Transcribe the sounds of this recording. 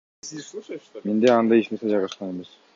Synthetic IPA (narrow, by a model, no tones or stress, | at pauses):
mend̪eɑnd̪ɑjeʃnesed͡ʒɑʁɑʃqɑneme̞s